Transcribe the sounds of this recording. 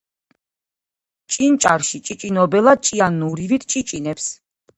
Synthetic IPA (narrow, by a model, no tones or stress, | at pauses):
t͡ʃʼint͡ʃʼaɾʃit͡ʃʼit͡ʃʼinɔbɛlˠad̪̚t͡ʃʼianːuɾivit̪ʰt͡ʃʼit͡ʃʼinɛps